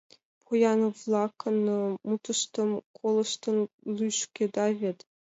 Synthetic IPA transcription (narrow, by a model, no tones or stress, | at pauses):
pʰujɑnvlˠɑkːɤ̆nːɤ̆mut̪ɤ̆ʃt̪ɤ̆mkʰolˠɤ̆ʃt̪ɤ̆n | lʲˠyʂkʲed̪ɑvʲet̪